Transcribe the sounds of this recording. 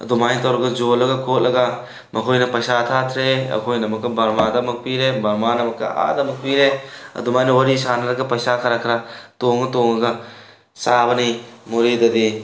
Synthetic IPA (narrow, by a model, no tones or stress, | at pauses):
ɐ̰d̪umajnt̪ɐwɾɐɡɐd͡ʒolɐɡɐkʰot̚lʔɐɡɐ | mʔɐkʰojnɐpɐjsatʰat̪ʰɾeɐ̰kʰojnɐmɐkːɐbɐɾmadɐmɐk̚piɾebɐɾmanɐmɐkːɐ̰a̰dɐmɐk̚piɾeɐ̰d̪umajnɐwɐɾisanɐɾɐɡɐpɐjsakʰɐɾakʰɐɾɐtoŋɡɐtoŋɡɐɡɐ | sabɐnimuɾedɐdi